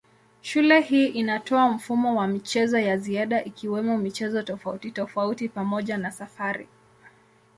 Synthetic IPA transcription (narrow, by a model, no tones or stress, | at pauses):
ʃulɛhiːʔinatɔam̩fumɔwamit͡ʃɛzɔjaziaɗaʔikiwɛmɔmit͡ʃɛzɔtɔfautitɔfautipamɔʄanasafaɾḭ